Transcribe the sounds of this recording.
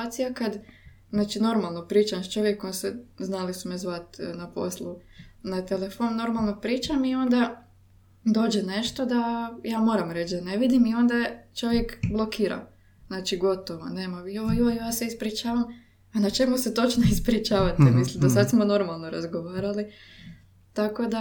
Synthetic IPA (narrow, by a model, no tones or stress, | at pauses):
at̪sijakad̪ | znaːt͡ʃino̞ɾmalˠno̞pɾiːt͡ʃamt͡ʃo̞ʋjekːonseznalisumezʋat̪napo̞̰slˠunat̪elefo̞nno̞ɾmalˠno̞pɾiːt͡ʃamio̞nd̪a | d̪o̞ːd͡ʒene̞ʃt̪o̞d̪ajaːmo̞ːɾamɾet͡ʃd̪aneʋid̪imio̞nd̪at͡ʃo̞ʋjekblˠo̞kiːɾa̰ | znaːt͡ʃiɡo̞t̪o̞ʋo̰ne̞ːmaioʋojooijaːseispɾit͡ʃaːʋam | anat͡ʃe̞muset̪o̞t͡ʃnoispɾit͡ʃaːʋat̪emislˠimd̪asad̪smo̞no̞ɾmalˠno̞ɾa̰zɡo̞ʋaːɾali | t̪ako̞d̪a